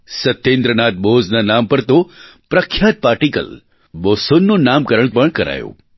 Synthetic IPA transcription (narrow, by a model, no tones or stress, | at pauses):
sɐt̪ːẽːnd̪ɾənaːt̪̚boːznanaːmpɐɾt̪opɾɐkʰːjaːt̪̚paːɾʈikə̰l | boːsonːonaːmkɐɾəɳ̃pɐɳ̃kɐɾa̰ːjo̰ː